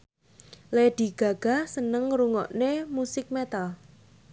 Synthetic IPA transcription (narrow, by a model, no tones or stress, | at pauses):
led̪̥i̤ɡ̥a̤ɡ̥a̤sənəŋɾuŋɔ̰ʔnemusɪk̚met̪al